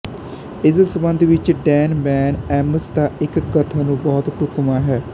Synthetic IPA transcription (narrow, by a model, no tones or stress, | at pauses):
ɪssəbə̃nd̪ʱʋɪt͡ʃɖɛːnmɛːnɛːməst̪aːɪkːət̪ʰanũːbɔːt̪ʈʊkmaːɦɛː